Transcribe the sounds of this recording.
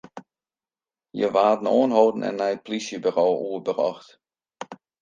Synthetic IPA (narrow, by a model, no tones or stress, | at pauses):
jə̰ʋaːdn̩oːənɦoːdn̩ɛ̰nːɛjət̚plisjəbəroːʔuəbərɔ̰xt